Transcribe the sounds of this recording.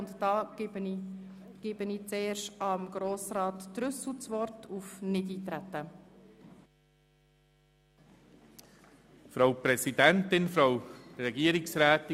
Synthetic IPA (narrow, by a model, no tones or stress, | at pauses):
ntdɑː | ɡ̥ɪbəniːt͡seːʃtɑmɡɾoːsɾɑːt̪ːɾʏsl̩t͡sʋɔrtʰufnɪdiːt̪ɾætːə | fɾawpɾɛsid̪ɛnt̪ɪnfɾawɾɛɡiəɾɪksɾæːt̪